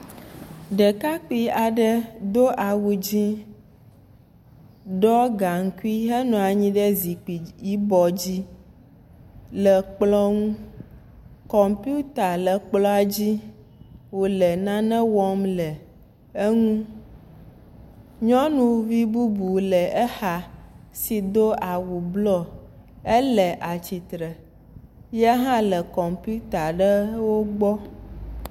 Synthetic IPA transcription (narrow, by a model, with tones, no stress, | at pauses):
ɖɛ˨ka˦ki˦a˨ɖɛ˦d̪o˦ʔa˨wu˨d͡ʑĩ˦ | ɖɔ˦ɡa˨ŋ̩˨ku˦i˦ɦɛ˦nɔ̃˨a˨ɲĩ˦ɖɛ˦zi˨k͡pi˨i˦bɔ˨d͡ʑi˦ | lɛ˨k͡plɔ˦ŋũ˦ | kɔ˨mpju˦t̪a˨lɛ˨k͡plɔ˦a˨d͡ʑi˦ | wo˨lə˨nã˦nɛ̃˦wɔ˦mlə˨ | e˦ŋũ˦ | ɲɔ̃˦nũ˦vi˦bu˦bu˨lə˨ɛ˦xa˨si˨d̪o˦a˨wu˨blɔ˦ | ə˦lə˨ʔa˨t͡ɕi˨t̪ɾə˨ | ja˦ɦã˦lə˨kɔ˨mpi˦u˦t̪a˨ɖə˦wo˦ɡ͡bɔ˦